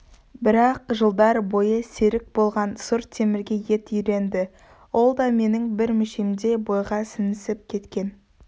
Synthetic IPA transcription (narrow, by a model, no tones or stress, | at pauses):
bɪɾɑqʒəlˠd̪ɑɾbo̞jəseɾɪk̚bo̞lˠʁɑnsʊɾt̪ʰːe̞mɪɾɡʲe̞je̞t̪ʏjɾe̞nd̪ɪ | wo̞lˠd̪ɑme̞nɪŋbɪɾmɪʃemd̪e̞bo̞jʁɑsɪnɪsɪp̚kʲʰe̞t̪kʲe̞n